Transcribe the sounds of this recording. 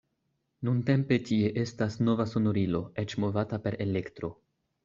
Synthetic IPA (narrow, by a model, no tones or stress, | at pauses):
nunte̞mpe̞tie̞ʔe̞stasno̞vaso̞no̞ɾilo̞e̞t͡ʃmo̞vatape̞ɾʔe̞le̞ktɾo̞